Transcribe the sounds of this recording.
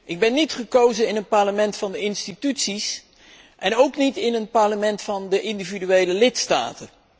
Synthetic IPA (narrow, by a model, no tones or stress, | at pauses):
ʔɪɡ̚bɛnːitχəkowzənɪnənpɑɹləmɛntfɑndəɪnstitytsis | ʔɛnowknitɪnənpɑɹləmɛntfɑndəʔɪndividyejləlɪtsta̰ːtə